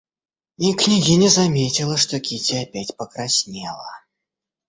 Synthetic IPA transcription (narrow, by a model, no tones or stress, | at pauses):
nʲiknʲiɣʲinʲɛzamʲet͡sʲilˠɐʂt̪ɔkʲit͡sʲiapʲæt͡sʲpəkɾasʲnʲɛlˠɐ